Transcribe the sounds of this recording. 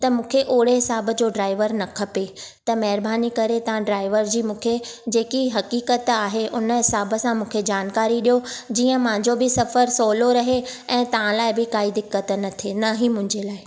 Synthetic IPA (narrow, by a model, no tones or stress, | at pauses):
t̪ɐmũːkʰeʔoːɽeɦɪsaːbə̆d͡ʑoːɖɾaːɪʋəɾnɐkʰɐpet̪ɐmɐɦɪɾbʱaːnikɐɾet̪ɐʋ̤ãɖɾaːɪʋəɾd͡ʑiːmũːkʰed͡ʑeːkiɦɐkiːkət̪aːɦeʔʊnəɦɪsaːbə̆sãmũːkʰed͡ʑaːnkaːɾiɗijod͡ʑiːə̃mʊ̃ãɲd͡ʑobʱɪsɐfəɾsoːloɾɐɦeɛ̃ːt̪ɐʋ̤ãlaːɪbɪkaːid̪ɪkːət̪nɐt̪ʰenɐɦimʊ̃ɦɪ̃ɲd͡ʑelaːɪ